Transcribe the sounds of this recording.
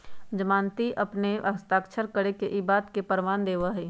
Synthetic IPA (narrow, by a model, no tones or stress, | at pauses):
d͡ʒəmãːnt̪iʔɐpneʔɐst̪aːkʃʰəɾkəɾekeʔɪbaːt̪kepəɾʋaːnd̪eːʋaɦiː